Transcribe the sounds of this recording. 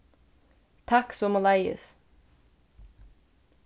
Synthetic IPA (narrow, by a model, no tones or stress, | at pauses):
t̪ʰɑksɔmɔlæɪə̰s